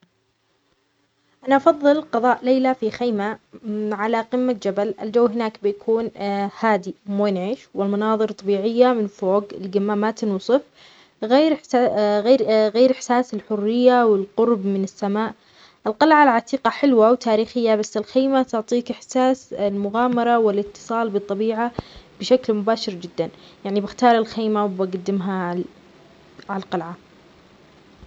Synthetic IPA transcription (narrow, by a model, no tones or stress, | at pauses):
ʔanaʔɑfɑðˤːɨlqɑðˤɑːʔleːlafixajmaʕalaqɪmːad͡ʒabalʔɪld͡ʒawːɦɪnaːkbɪjakʰuːnhaːd̪imuːjnʕiːʃwɪlmɑnɑːðˤɨɾt̪ˤːɑbiːʕɪjːamɪnfoːɡɪlɡamːamat̪ɪnwsˤɨf | ɣeːɾɣeɾɣeːɾʔɪħsaːsɪlħʊrːɪjːawɪlqʊɾbmɪnɪsːamaːʔ | ʔɪlqɑlʕalʕat̪iːqɑħɪlwawt̪ʰaːɾiːxɪjːabasːɪlxeːmat̪ʊʕt̪ˤiːkɪħsaːsɪlmʊɣaːmɑɾˤɑwɪlɪt̪ːɨ̥sˤɑːlbɨt̪ˤːɑbiːʕab̥ɪʃaklmʊbaːʃɪɾd͡ʒɪd̪ːanjaʕnibɪxt̪ɑːɾˤɪlxeːmawbaɡad̪ːɪmɦa | ʕalqɑlʕa